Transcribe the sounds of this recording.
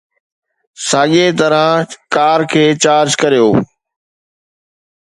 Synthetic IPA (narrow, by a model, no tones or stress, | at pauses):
saːɠet̪ɐɾəkaːɾkʰeːt͡ɕaːɾd͡ʒkɐɾijoː